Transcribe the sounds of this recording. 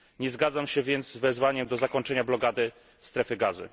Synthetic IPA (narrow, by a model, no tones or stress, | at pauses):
ɲɛzɡad̪zamɕɛvʲjɛnt̪zzvɛzvaɲɛmd̪ɔzakɔɲt͡ʂɛɲablɔkad̪ɘ | st̪ɾɛfɘɡazɘ̰